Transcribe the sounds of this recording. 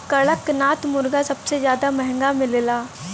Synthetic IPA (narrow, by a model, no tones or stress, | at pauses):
kɐɭəknaːt̪mʊɾɡasɐbsezjaːd̪amɛɦɛ̃ŋɡamɪ̃lelaː